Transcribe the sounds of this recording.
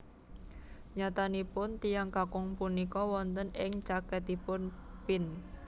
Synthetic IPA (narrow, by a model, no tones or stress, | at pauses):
ɲat̪anipʊnt̪ijaŋkakʊŋpunikɔwɔnt̪ənɪŋt͡ʃakət̪ipʊnpɪn